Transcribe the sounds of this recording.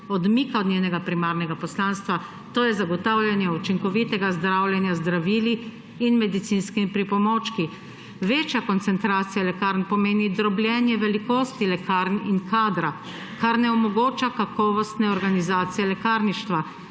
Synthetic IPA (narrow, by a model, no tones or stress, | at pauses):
ɔd̪mikaɔd̪nʲjeːnɛɡapɾimaːɾnɛɡapɔslaːnst̪ʋa | t̪oːjɛzaɡɔt̪aːwlʲjanjɛut͡ʃiŋkɔʋit̪ɛɡazd̪ɾaːwlʲjɛnjazd̪ɾaʋiːliː | nmɛd̪it̪sinskiipɾipɔmoːt͡ʃki | ʋeːt͡ʃjakɔnt̪sɛnt̪ɾaːt̪sijalɛkaɾnpɔmeːnid̪ɾɔbljɛnjɛʋɛlikoːst̪ilɛkaːɾniŋkaːd̪ɾa | kaɾnɛɔmɔɡoːt͡ʃakakɔːʋɔst̪nɛɔɾɡanizaːt̪sijɛlɛkaːɾniʃt̪ʋa